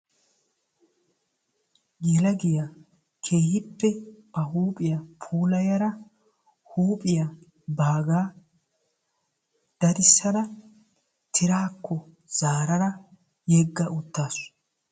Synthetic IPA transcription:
jɛlɐɡɪja | kʰe̞ːhɪpːɛbɐhuːpʼɪjɐpʰuːlɐjɐɾɐ | huːpʼɪja | baːɡaː | d̪̥ɐd̪ɪsːɐnɐ | t̪ʰɪɾaːkʰːɔ | z̥aːɾɐɾɐ | jɛɡːɐʔʊt̪ːaːs

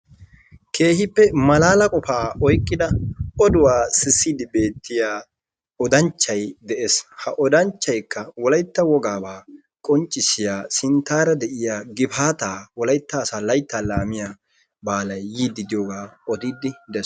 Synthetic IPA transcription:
kʰe̞ːhɪpːɛmɐlaːlɐkʼɔfaːɔjkʼːɪd̪ɐɔd̪ʊwaːsɪsːid̪ɪbeːt̪ːɪjaː | ɔd̪ɐnt͡ʃːɐjd̪ɛʔeshɐʔɔd̪ɐnt͡ʃːɐjkːɐwɔlɐjt̪ːɐwɔɡaːbaː | kʼɔnt͡ʃʼːɪsɪjaːsɪnt̪ːaːɾɐd̪ɛʔɪjaːɡɪbaːt̪aːwɔlɐjt̪ːɐːsaːlɐjt̪ːaːlaːmɪjaː | baːlɐjːiːd̪ːɪd̪ɪjoːɡaːɔd̪iːd̪ɪd̪ɛs

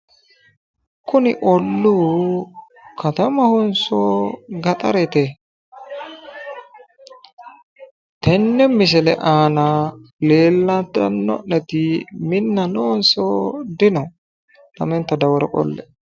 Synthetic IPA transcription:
kʊnɪʔɔlːuː | kʰɐt̪ɐmɐhʊnsoːɡɐt̪ʼɐɾɛt̪ɛ | t̪ɛnːɛmːɪs̬ɛlɛʔaːnɐleːlːɐnt̪ɐ̰nːɔ̰ʔɛt̪ɪmɪnːɐnonsoːd̪ɪnɔ | nɐ̰mɛnt̪ːɐd̪ɐwɔɾɔkʼɔ̰lːɛ̰

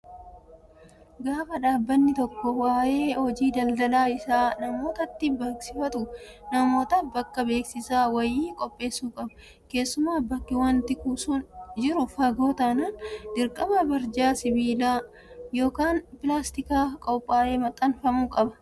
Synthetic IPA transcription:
ɡaːfɐᶑaːbːɐnːɪt̪ɔkːɔwaːʔe̞ːhɔd͡ʒiːd̪ɐld̪ɐlaːɪsaːnɐmo̞ːt̪ɐt̪ːɪbeːksɪfɐt̪ʊnɐmo̞ːt̪ɐbɐkːɐbe̞ːksɪsaːwɐjiːkʼɔpʼːe̞ːsːuːkʼɐbɐ̥ | ke̞ːsːʊmaːbɐkːɪwɐnt̪ɪkuːsʊnd͡ʒɪɾʊfɐɡoːt̪ɐnand̪ɪɾkʼɐbɐbɐɾd͡ʒaːsɪbiːlaː | jo̞ːkaːnpɪlaːst̪ɪkaːkʼɔpʼːaːle̞ːmɐt̪ʼːɐnfɐmuːkʼɐbɐ̥

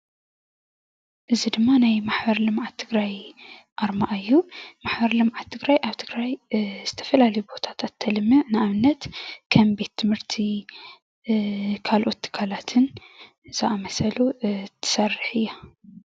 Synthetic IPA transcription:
ʔɨzid̪ɨmːanajmaħbɐɾlɨmʕat̪ʰːɨɡɾaj | ʔaɾmaʔɨjːumaħbɐɾlɨmʕat̪ʰːɨɡɾajʔaβt̪ʰɨɡɾajz̥ɨt̪ʰɐ̥fɐlalɐjubo̞t̪ʰḁt̪ʰat̪ʰːɐlɨmːɨʕnɨaβɨnːɐt̪kʰɐmbe̞t̪ʰːɨmhɨɾt̪ʰi | kʰalʔo̞t̪ːɨ̥kʰalat̪ʰɨn | z̥ɨamɐsɐlut̪ʰːɨ̥sɐrːɨħɨjːa

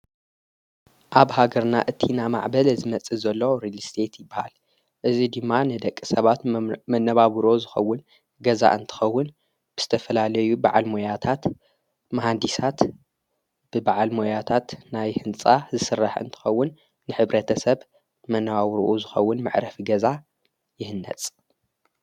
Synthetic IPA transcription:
ʔaβhaɡɐɾnaʔɨt̪ʰːinama̰ʕbɐlzɨmɐt͡sʼizɐlːoɾilst̪ʰe̞t̪jɪbːaha̰l | ʔɨzid̪ɨmːanɨd̪ɐkʼːisɐβat̪mɐnːɐβaβɾo̞zɨxɐwːʊn | ɡɐza̰ʔɨnt̪ʰɨ̥xɐwːʊn | b̥ɨz̥ɨt̪ʰɐfɐlalɐjubaʕalmojat̪ʰat̪ | maɦand̪isat̪ | b̥ɨbaʕalmojat̪ʰat̪najhɨnt͡sʼazɨsɨrːaħɨ̰nt̪ʰɨ̥xɐwːʊnː | ɨħɨβɾɐt̪ʰɐsɐβ | mɐnːɐβawɾuʔuzɨxɐwːʊnmɨ̰ʕɾɐfiɡɐza | jɪhɨnːɐ̰t͡sʼ

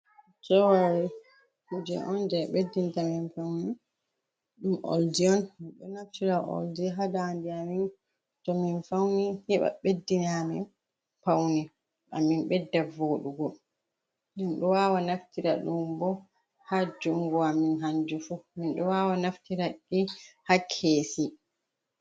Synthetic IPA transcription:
sɔwaɾi | kud͡ʒɛ̰ʔɔnd͡ʒɛɓedːintaminpawni | ɗumʔo̰ldiɔnmiɗɔnaftiɾaʔo̰ldiɦadandiamin | tɔminfawnihiɓa̰ɓedːinamḭn | pawni | ʔa̰minɓɛdːavoːɗuɡɔ | nɛnɗɔwawanaftiɾa̰ɗumbɔ | had͡ʒuŋɡɔaminɦand͡ʒifuminɗɔwawanaftiɾakːihakʰːesi

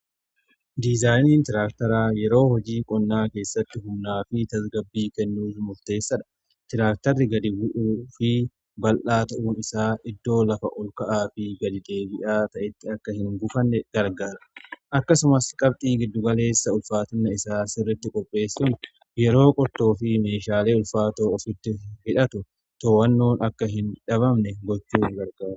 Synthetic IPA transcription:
d̪izaːjniːnt̪ɪɾaːkt̪ɐɾaːjɛɾo̞ːhɔd͡ʒiːkʼɔnːaːke̞ːsːɐt̪ːɪɦʊmnaːfɪt̪ɐsɡɐbːiːkɛnːuːfmʊɾt̪e̞ːsːɐᶑɐ̥ | t̪ɪɾaːk̚t̪ɐrːɪɡɐd̪ɪbʊʔuːfɪ | bɐlʔaːt̪ɐʔuːnɪsaːʔɪd̪ːo̞ːlɐfɐ̰ʔɔlkɐʔaːfɪɡɐd̪ɪd̪eːbɪʔaːt̪ɐʔɛt̪ːɪɐkːɐhɪŋɡʊfɐnːɛɡ̥ɐɾɡaːɾɐʔɐkːɐsʊmɐskʼɐb̚t̪ʼiːɡɪd̪ːʊɡɐle̞ːsːɐʊlfaːt̪ɐnːɐɪsaːsɪrːɪt̪ːɪkʼɔpʼːe̞ːsːʊn | jɛɾo̞ːkʼɔɾt̪o̞ːfɪme̞ːʃaːleːʊlfaːt̪oːɔfɪt̪ːɪhɪᶑɐt̪ʊ | t̪oːwɐnːoːnɐkːɐɦɪnᶑɐβɐmnɛɡɔt͡ʃːuːŋɡɐɾɡaːɾ

